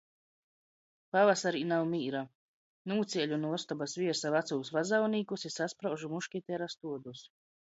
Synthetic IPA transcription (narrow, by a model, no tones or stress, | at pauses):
pavasaɾiːnawmiːɾa | nuːt̪siɛʎʲunuɔst̪ɔbasviɛɾsavat̪suːsvazawniːkusisaspɾawʒumuʃkʲit̪ɛɾast̪uɔd̪us